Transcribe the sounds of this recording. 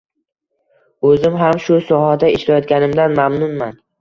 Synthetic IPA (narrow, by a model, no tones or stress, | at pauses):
ɵzɪmɦamʃʊsɒhad̪aeʃlajɒt̪̚ɡʲanɪmd̪anmamnʊnman